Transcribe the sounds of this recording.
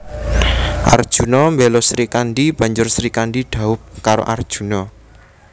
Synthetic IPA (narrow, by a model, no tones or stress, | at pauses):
ʔa̰rd̥ʒ̥ṳnɔmbɛlɔsɾikanɖib̥a̤ɲd͡ʒʊrsɾikanɖiɖ̥a̤ʊp̚kaɾo̰ʔard̥ʒ̥ṳnɔ